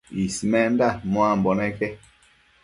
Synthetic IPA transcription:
isimɛndamɔ̃ambɔnɛkɛ

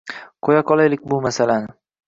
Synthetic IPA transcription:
qʰojaqʰɒlˠajlɪk̚ʲbʊmasalanɪ

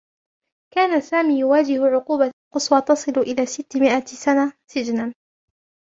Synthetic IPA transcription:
kaːnasaːmiːjʊwaːd͡ʒɪhʊʕʊquːbalqʊswɑt̪ɑsˤɨlʊʔɪlaːsɪt̪ːɪmɪʔasanasɪd͡ʒnan

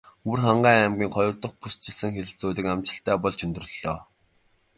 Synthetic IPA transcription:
urχaɴɢæːæmɡʲiːŋχɔjɞ̆rt̪ɞ̆χpust͡ɕɪ̆ɮsɘ̆ŋxĕt͡suːɮɘ̆kamt͡ɕɪ̆ɬt̪æːpɔɮt͡ɕɵnt̪ɵ̆ɵ̆ɮ̥ɔː

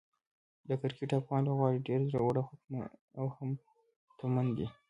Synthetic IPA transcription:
d̪əkaɾkiʈɑpwɑnloɣwɑɽiɖeɾzɾawuɽaxakma̰awham | t̪amand̪i

